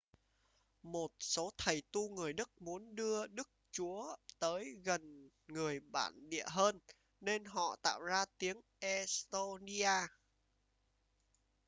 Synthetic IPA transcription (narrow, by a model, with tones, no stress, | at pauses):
mo˨˩t̚so˨˦t̪ʰə˨˩jt̪u˧ŋɨ˨˩əjɗɨ˦˥k̚mu˨˦ənɗɨ˧əɗɨ˦˥k̚t͡ɕu˨˦ət̪əː˨˦jɣə˨˩n | ŋɨ˨˩əjɓa̰ː˧˩nɗḭ˧˨əɦəː˧nː | e˧nɦɔ̰˧˨t̪a̰ː˧˨wzaː˧t̪i˨˦əŋʔɛ˧˥st̪o˧ni˧ʔaː˧